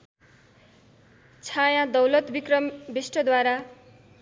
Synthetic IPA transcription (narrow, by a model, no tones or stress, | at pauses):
t͡sʰajãd̪ʌwlʌt̪bikrʌmbisʈʌd̪waɾa